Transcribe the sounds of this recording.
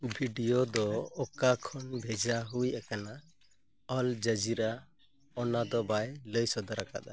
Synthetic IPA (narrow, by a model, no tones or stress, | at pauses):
bʱiɖijɔd̪ɔɔkakʰɔnbʱɛd͡ʒaɦujɛkana | ɔld͡ʒəd͡ʒiɾa | ɔnad̪ɔbajləjsɔd̪ɔɾaka̰d̪a̰